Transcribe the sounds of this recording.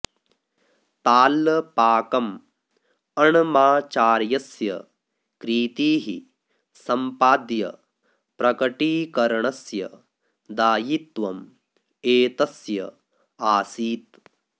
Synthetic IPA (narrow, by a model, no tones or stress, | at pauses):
t̪aːlːɐpaːkɐm | ɐɳɐmaːt͡ʃaːɾjɐsjɐ̰ | kɾiːt̪iːɦi | sɐmpaːd̪jɐ̰ | pɾɐkɐʈiːkɐɾɐɳɐsjɐ | d̪aːjit̪ʋɐm | eːt̪ɐsjɐ̰ | aːsiːt̪